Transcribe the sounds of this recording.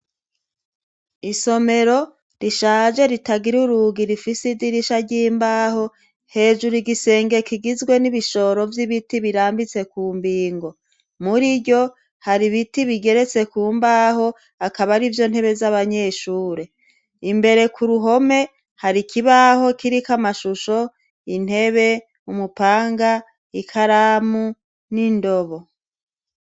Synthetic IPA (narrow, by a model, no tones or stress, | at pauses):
iso̞me̞ɾo̞ | ɾiʃaːʒe̞ɾitaɡiɾuɾuɡiɾifisidiɾiʃaɾɟiːmbaho̞ | he̞ːʒuɾuɡise̞ːŋɡe̞kiɡizɡwe̞niβiʃo̞ɾo̞vjiβitiβiɾaːmbit͡se̞kuːmbiːŋɡo̞ | muɾiɟo̞ | haɾiβitiβiɡe̞ɾe̞t͡se̞kuːmbaho̞ | akaβaɾivjo̞n̥he̞βe̞zaβaɲe̞ʃuːɾe̞ | imbe̞ɾe̞kʰuɾuɦo̞me̞ | haɾikʰiβaho̞kiɾikamaʃuʃo̞ | in̥he̞βe̞ | umupaːŋɡa | ikʰaɾamu | nindo̞βo̞